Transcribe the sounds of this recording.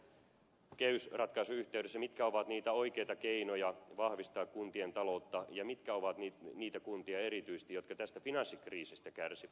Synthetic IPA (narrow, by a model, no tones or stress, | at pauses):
keysrɑt̪kɑisuyht̪eydesːæmit̪kæo̞ʋɑt̪niːt̪æo̞ikejt̪ɑkeinojɑʋɑhʋist̪ɑːkkunt̪ient̪ɑlout̪ːɑjɑmit̪kæoʋɑt̪niniːt̪ækunt̪iɑeɾit̪yist̪ijo̞t̪̚kɑt̪æst̪æfinɑnsːikriːsist̪ækærsiʋæt̪